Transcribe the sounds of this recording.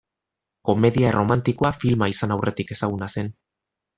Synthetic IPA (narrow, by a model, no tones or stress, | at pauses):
ko̞me̞ðiarʔo̞mant̪iko̞afilmaisanawrʔe̞t̪ike̞saɣ̞unase̞n